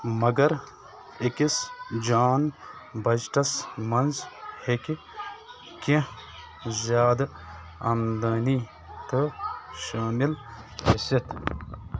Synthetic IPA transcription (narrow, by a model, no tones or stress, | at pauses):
mɐɡɐɾ | ekisd͡ʒaːnbɐd͡ʒʈɐsmɐnzheki | kẽ | zjaːd̪ | ɐmd̪ɐːniː | t̪əʃaːmil | heset̪